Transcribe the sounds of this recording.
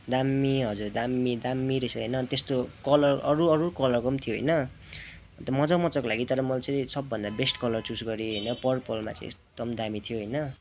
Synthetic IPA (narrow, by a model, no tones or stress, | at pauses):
d̪amːiɦʌd͡zurd̪amːid̪amːiɾisʌɦʌ̰jnʌt̪est̪okʌlʌrʌɾuʌɾukʌlʌrkʌmt̪ʰijoɦʌ̰jnʌ | t̪ʌmʌd͡zʌmʌt͡sʌkolaɡit̪ʌɾʌmʌlt͡sʌĩsʌbːʌnd̪abesʈkʌlʌrt͡susɡʌɾiɦʌjnʌpʌrpolma̰t͡sa̰ḭ̃ḛkd̪̥ʌmd̪amit̪ʰijoɦʌjnʌ